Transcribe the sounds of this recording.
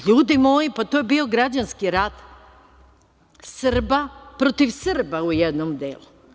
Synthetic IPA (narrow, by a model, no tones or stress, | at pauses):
ʎuːd̪imoːjipat̪ojebioɡɾad͡ʑanskiɾat̪ | sɨrbapɾot̪iʋsɨrbaujed̪nomd̪ḛlˠu